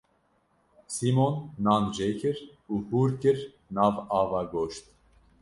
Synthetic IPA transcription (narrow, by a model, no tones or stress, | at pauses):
simonːɑːnd͡ʒekʰɨɾ | uːhuːɾkɨɾ | nɑːvɑːvaɡoːʃt̪̚